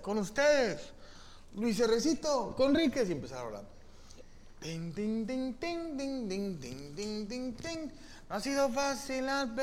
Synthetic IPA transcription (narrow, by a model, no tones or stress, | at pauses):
konust̪eðes | lwis̬eresit̪okoenrikes̬jempesaɾa̰βla̰n | t̪iŋt̪iŋt̪iŋt̪iŋt̪iŋt̪iŋt̪iŋt̪iŋt̪iŋt̪iŋ | noasiðofasilalpe